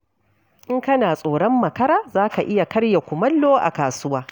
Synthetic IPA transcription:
ʔɪ˦ŋkɐ˦naː˨sʼoː˨ɽɐ˦mːɐ˨kɐ˦ɾaː˦zaː˦ka˨ʔɪ˦ja˨kɐ˦ɽja˨kʷʊ˨mɐ˦lːoː˦ʔa̰˨kaː˨sʊ˦waː˦

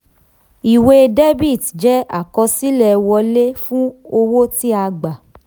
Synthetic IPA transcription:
i˨we˧de˦bi˦˨dd͡ʒɛ˦a˦˨kɔ˧si˦lɛ˦˧wɔ˧le˦fũ˦o˧wo˦ti˦a˧ɡ͡ba˨

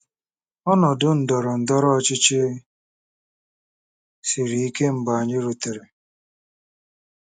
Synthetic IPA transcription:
ɔ˦nɔ˨dʊ˦n̩˨dɔ˨ɾɔ˨n̩˨dɔ˦ɾɔ˦t͡ʃɪ˦t͡ʃɪ˦ | si˨ɾi˨i˦ke˦m̩˨ba˨a˨ɲɪ˦ɾu˨te˨ɾe˨

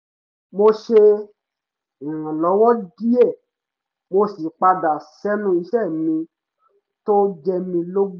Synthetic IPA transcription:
mo˧ʃe˧˨ | ã˨lɔ˨˦wɔ˦di˦ɛ˦˨ | mo˧si˨k͡pa˧da˨sɛ˦nũ˦i˧ʃɛ˦˨mĩ˧ | to˦d͡ʒɛ˧mĩ˧lo˦ɡ͡b

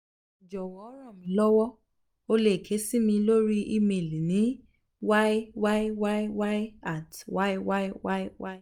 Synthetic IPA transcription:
d͡ʒɔ˨wɔ˨˦ɾɔ̃˦˨mĩ˨˦lɔ˦wɔ˦ | o˧le˦˨kʰe˨˦si˦mĩ˧lo˦ɾi˦ʔi˦me˨li˨nĩ˨˦ | wa˦i˦wa˦i˦wa˦i˦wa˦ji˦a˦˨twa˦i˦wa˦i˦wa˦i˦wa˦i˦

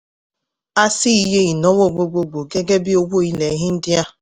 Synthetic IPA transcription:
a˦sɪ˦i˦ɦe˦i˨nɔ˦wo˦˨ɡ͡bo˨ɡ͡bo˨ɡ͡bo˨ɡe˦ɡe˦bɪ˦o˦ɡ͡bo˦i˦le˨˦ɦɪ˦n̩˦dɪ˦a˦

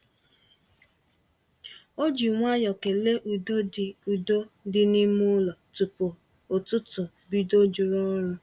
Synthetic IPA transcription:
o˦d͡ʒi˨ŋʷa˦jɔ˨ke˨le˦ʔu˨do˦˨u˨do˦dɪ˦ni˦mu˦lɔ˨tʊ˨po˨ | o˨tʊ˦tʊ˨ | bi˦do˦d͡ʒu˨ɾɔ˦ɾʊ˦

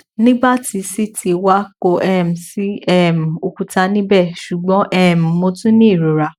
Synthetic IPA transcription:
nĩ˦ba˦ti˧si˦tʰi˧wa˦ko˧ʔɛ˦˨m̩˨si˦ɛ˦˨m̩˨o˧ku˨˧ta˧˦nĩ˦bɛ˦˨ʃu˨ɡ͡bɔ̃˨˦ʔɛ˦˨m̩˨mo˧tũ˦nĩ˦˨ɾo˨ɾa˨

